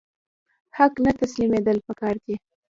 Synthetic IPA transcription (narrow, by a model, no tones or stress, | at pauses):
haknat̪aslimed̪əlpəkɑɾke